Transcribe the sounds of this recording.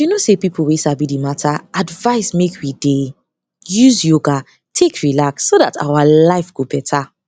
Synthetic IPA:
junosepipʰl̩wesabidimatʰaadvaɪsmekʰwide | juzjoɡa | tʰekʰɹilaksːoðata̰walaɪfɡ̥obɛtʰa

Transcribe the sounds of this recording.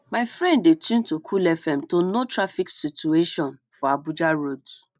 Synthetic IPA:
maɪfɹɛ̃ndetʰũntokʰulɛfɛ̃mtonotɾafiksitueʃɔ̃nfɔabud͡ʒaɾoɡi

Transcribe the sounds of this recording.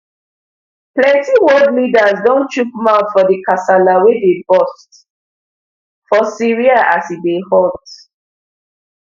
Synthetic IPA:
plɛ̃tiwɔdlidazdɔ̃nt͡ʃukmãʊtfɔdikasalawedebɔst | fɔsiɹiaʔasidehɔlt

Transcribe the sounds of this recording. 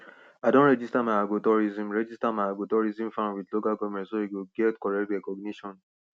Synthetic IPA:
aɪdõnɹɛd͡ʒistamajaɡotɔɹizĩmɹɛd͡ʒistamaɪaɡotɔɹizĩmfãnwidlokalkɔmɛsoikuɡɛtkɔɹɛtɹɛkɔɡniʃɔ̃n

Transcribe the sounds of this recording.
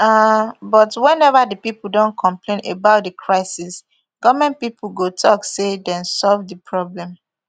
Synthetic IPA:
abɔtwɛ̃nɛvadəpipl̩ˠdõnkʰɔ̃mplẽnebaʊt̚dəkʰɹaɪsis | ɡ̥ɔvmɛ̃npipʰl̩ɡotʰɔksedɛ̃nsɔlvdəpʰɹɔblɛ̃m

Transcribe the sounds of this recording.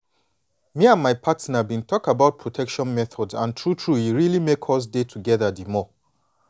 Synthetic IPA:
miãnmaɪpʰatnabĩntʰɔkabaʊt̚pʰɹotʰɛkʃɔ̃nmɛθʰɔdzãntʰɹutʰɹuhiɹilimekʰɔs̬detʰuɡɛðadimɔ

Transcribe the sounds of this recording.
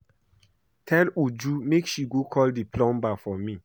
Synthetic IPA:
tʰɛ̃nud͡ʒumekʃiɡokʰɔldipʰlɔ̃mbafɔmĩ

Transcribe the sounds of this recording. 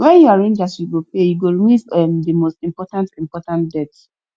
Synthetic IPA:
wɛ̃njɔaɹẽnd͡ʒasjuɡopejuɡoɹimuvɛmdimostĩmpɔtãntĩmpɔtãntdɛts

